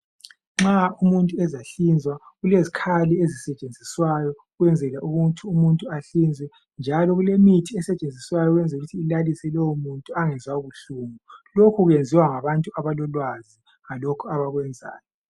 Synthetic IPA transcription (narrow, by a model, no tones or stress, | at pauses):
ŋ͡ǁaumuntʼuɛzaɬind͡zʱwaɣulezikʰaliezisɛt͡ʃʼend͡zʱiswajɔ | ɣwɛnd͡zʱɛlaʔuɣutʰuumuntʼuaɬind͡zʱwɛ | nd͡ʒʱalɔɣulemitʰiɛsɛt͡ʃʼend͡zʱiswajɔɣwɛnd͡zʱɛuɣutʰiːlalisɛlɔwɔmuntʼuaŋɛzwauβuɬuːmulokʰuɣwend͡zʱiwaŋaβantʼuaβalɔlwazi | ŋalokʰuaβaɣwɛnd͡zʱa̰ːjɔ